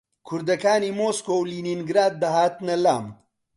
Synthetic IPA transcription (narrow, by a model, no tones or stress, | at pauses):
kʰuɾd̪ɐkaːnimoskoːwlininɡɾaːd̪̚ːɐɦaːt̪nɐla̰ːm